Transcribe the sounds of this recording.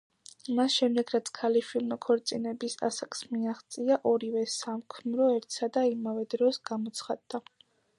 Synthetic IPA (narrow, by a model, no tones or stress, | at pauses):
masʃɛmd̪ɛɡɾat̪sʰkʰalifʰilmɔkʰɔɾt̪sʼinɛbisa̰sakʼsmiaχt̪sʼiaʔɔɾivɛsamkʰnɾɔɛɾt̪ʰsad̪aimavɛd̪ɾɔsɡ̥amɔt̪sʰχad̪ːa